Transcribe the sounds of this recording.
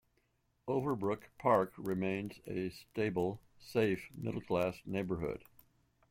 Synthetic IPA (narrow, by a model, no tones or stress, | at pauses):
oʊvə˞bɹʊkpʰɑɹkɹɨmẽɪ̃nzɨsteɪbl̩ˠseɪfmɪ̰ɾl̩ˠkʰl̥æsneɪbə˞hʊ̰d̥